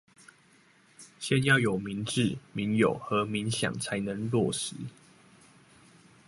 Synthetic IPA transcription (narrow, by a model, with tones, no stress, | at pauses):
ɕjɛ˥˨njɑ˥˨ʊjo˨˩ʊmi˨˦nʈ͡ʂɻ̩˥˨mi˨˦njo̰˨˩ʊxɤ˨˦mi˨˦ŋɕjɑ̰˨˩ŋt͡sʰa˨˦ɪnə˧˦ŋlwɔ˥˨ʂɻ̩˨˦